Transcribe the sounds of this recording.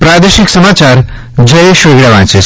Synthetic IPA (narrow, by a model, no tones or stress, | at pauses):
pɾaːd̪eʃiksɐmaːt͡ʃaːɾ | d͡ʒɐjʃoːɡɾaʋãːt͡ʃis